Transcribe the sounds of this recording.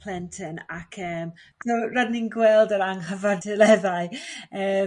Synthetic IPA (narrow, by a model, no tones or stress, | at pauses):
lˠɛntʰənakʰəːm | soradninɡwɛlˠdəɾaŋhəvandʰəlɛðaɨəː